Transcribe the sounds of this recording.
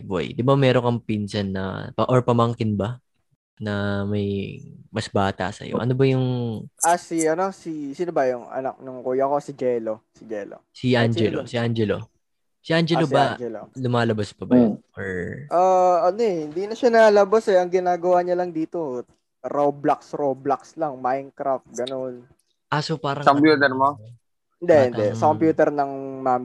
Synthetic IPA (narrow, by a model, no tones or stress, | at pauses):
bo̰jd̪ɪbamɛːɾokɐŋpinsɐnːɐ̰pɐʔoɹpɐmɐŋkɪnbɐ | nɐmɐjmɐsbaːt̪ɐ̰sɐ̰jo̞̰ʔɐ̰no̞bɐjʊŋʔasiʔɐno̞sisɪnʊbɐjʊŋʔɐ̰nɐ̰k̚nʊŋkuːjɐkosɪd͡ʒɛlosɪd͡ʒɛlo̰siʔand͡ʒɛlosɪʔand͡ʒɛlo̰ | siʔand͡ʒɛlobɐd͡ʒɛlo̰lʊmaːlɐbaspɐbɐjʊnɹʔaːɐnoɛhɪnd̪iːnɐʃanɐlɐbasɛʔɐŋɡɪnaːɡɐwaːɲɐlɐŋd̪iːt̪o̞ | ɾowblaksɾowblakslɐŋmajnkɾaft̪̚ɡɐno̞n | ʔasopaːɾɐŋkompjuːt̪ɛɾmo | ɪnd̪ɛɪnd̪ɛsɐkompjuːt̪ɛɾnɐŋmaːm